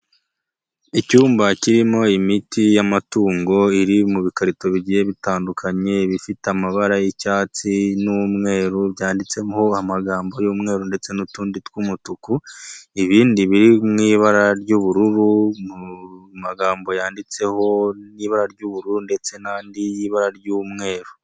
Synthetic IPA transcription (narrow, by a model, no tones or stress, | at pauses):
icuːmbaciɾimo̞imitijamatuːŋɡo̞iɾimuβikaɾito̞βiɟije̞βitaːndukʰaɲe̞βifiteamaβaɾajicaːt͡sinumŋe̞ːɾuβjaːndit͡se̞ho̞amaɡaːmbo̞juːmŋe̞ːɾunde̞t͡se̞nutuːnditkumutukuiβiːndiβiɾimŋiːβaɾaɾɟuːβuɾuɾuumaɡaːmbo̞jaːndit͡se̞ho̞niːβaɾaɾɟuːβuɾuɾunde̞t͡se̞nandijiβaɾaɾjuːmŋe̞ːɾu